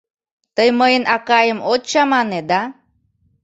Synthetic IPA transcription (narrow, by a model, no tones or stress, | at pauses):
t̪əjməinakajəmott͡ʃamaned̪a